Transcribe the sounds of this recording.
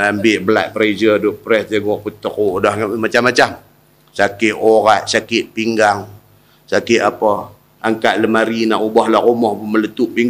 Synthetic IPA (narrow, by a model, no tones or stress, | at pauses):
ambɪʔbəla̰ʔ̪̚pəɾed͡ʒəduʔpɾɛsd͡ʒaɡɔʔput̪əkoʔdahŋmat͡ʃamːat͡ʃam | sakɪʔoɾaʔsakɪʔ̪̚piŋɡaŋ | sakɪʔ̪apə | aŋkaʔləmaɾinaʔubɔhlaʔʔumɔhmələt̪uʔpiŋ